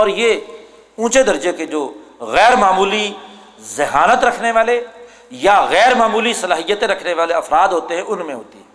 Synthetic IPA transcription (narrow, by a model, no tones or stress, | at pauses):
ɔːɾje | ũːt͡ʃed̪ɐɾd͡ʒeked͡ʒoːɣɛːɾmaːmuːli | zɪɦaːnət̪ɾɐkʰneʋaːle | jaɣɛːɾmaːmuːlisɐlaːɦijːət̪ẽɾɐkʰneʋaːleɐfɾaːd̪ɦoːt̪eɦɛ̃ʔʊnmẽɦo̰ːt̪iɦɛ̃ː